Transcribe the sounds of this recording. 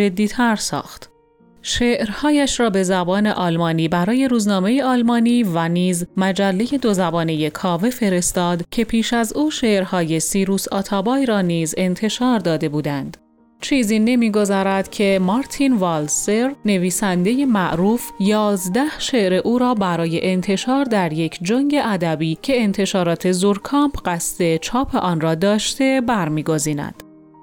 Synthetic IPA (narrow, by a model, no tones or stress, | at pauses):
d͡ʒe̞d̪ːiːt̪ʰæɾsɒ̰ːxt̪ | ʃeːʔɾhɒːjæʃrɒːbe̞zæbɒːne̞ʔɒːlmɒːniːbæɾɒːje̞ɾuːznɒːme̞je̞ɒːlmɒːniːvæniːzmæd͡ʒælːe̞je̞d̪o̞zæbɒːneje̞kʰɒːvefe̞ɾe̞st̪ɒːd̪cʰe̞pʰiːʃæzuːʃe̞ːʔɾhɒːje̞siːɾuːsɒ̰ːt̪ʰɒːbɒːjɾɒːniːze̞nt̪ʰe̞ʃɒːɾd̪ɒːd̪e̞buːd̪ænd̪̥ | t͡ʃʰiːziːne̞miːɡo̞zɒːɾæd̪cʰe̞mɒɾt̪ʰinvɒlseɾne̞viːsænd̪e̞je̞mæʔɾuːfjɒːzd̪æhʃeʔɾe̞ʔuːɾɒːbæɾɒːje̞ʔent̪ʰe̞ʃɒːɾd̪æɾje̞kʰd͡ʒoŋɟe̞ʔæd̪æbiːcʰe̞ːnt̪ʰe̞ʃɒːɾɒːt̪ʰe̞zuɾkʰɒːmpʰɢæst̪e̞t͡ʃʰɒːpʰe̞ʔɒːnrɒːd̪ɒːʃt̪e̞bæɾmiːɡo̞ziːnæ̰d̪̥